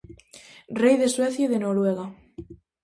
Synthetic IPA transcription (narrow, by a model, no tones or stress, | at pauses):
rejðesweθjaðenoɾweɣ̞a